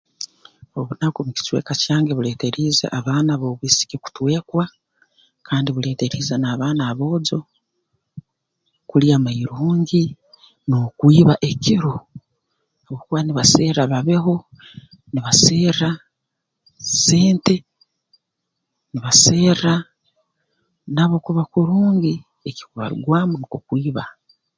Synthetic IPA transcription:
oβunakuβuci̥t͡ʃwḛkacaːŋɡeβuleːte̞ɾizḛʔaβaːnaβoβisi̥keku̥twe̞ːkwa | kʰaːndiβule̞ːte̞ɾiːzenaβaːnaːβo̞ːd͡ʒo̞ | kuliamaiɾuːŋɡi | nokwiːβaʔe̞cʰiɾu | aβokuβaniβaseːɾaβaβe̞ɦo̞ | niβaseːɾa | se̞ːnte̞ | niβase̞ːɾa | naβokuβakuɾuːŋɡi | eki̥kuβa̰ɾṵɡwaːmunikukwiːβa

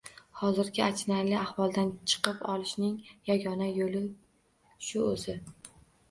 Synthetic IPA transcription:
hɒzɪɾɡʲɪat͡ʃʰɪnaɾlɪahwɒlˠd̪ant͡ʃʰɨ̥qɨpɒlˠɪʃnɪŋjaɡʲɒnajolɪ | ʃʊɵzɪ

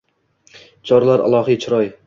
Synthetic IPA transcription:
t͡ʃʰɒɾlˠaɾa̰lˠɒɦit͡ʃʰʊɾɒj

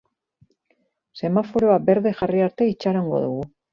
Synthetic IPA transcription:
se̞mafoɾoabe̞ɾðe̞xariaɾt̪eit͡ʃaɾoŋɡo̰ðuɣu

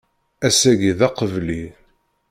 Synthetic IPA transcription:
æsæʝiðɑqəvli

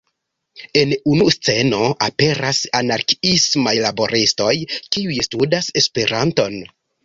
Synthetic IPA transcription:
e̞nunust͡se̞no̞ʔape̞ɾasanaɾkismajlabo̞ɾisto̞jkiujstudase̞spe̞ɾʔanto̞n

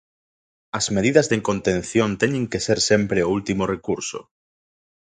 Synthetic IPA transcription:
ɐzmeðiðɐzðeŋkont̪ẽn̟θjõnt̪ɛɲẽŋkeseɾsempɾeoult̪imorekuɾsʊ̰

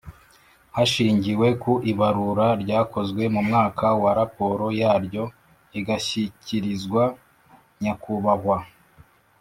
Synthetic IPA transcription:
haʃiːɲɟiwe̞kuʔiβaɾuɾaɾɟaːko̞zɡwe̞mumŋaːkʰawaɾapo̞ɾo̞jaːɾɟo̞ | iɡaçiciɾizɡwa | ɲakuβaɦwa

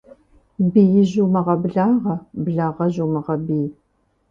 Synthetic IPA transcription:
bijɪʑumɐʁɐbɮaːʁɐbəɮaːʁɐʑumɐʁɐbiː

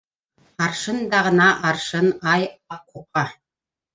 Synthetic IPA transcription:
ɑɾʃɤnd̪ɑʁɤ̆nɑʔɑɾʃɤnɑjɑp̚quqɑ

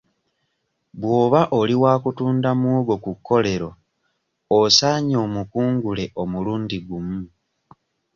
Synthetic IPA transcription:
βwo̞ːβaʔoliwaːkutuːndamuːɡo̞kukːo̞le̞ɾo̞ | osaɲo̞ːmukuːŋɡule̞ʔo̞muluːndiɡumu

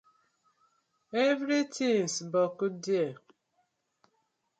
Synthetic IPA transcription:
evɾitʰinsbɔkudje

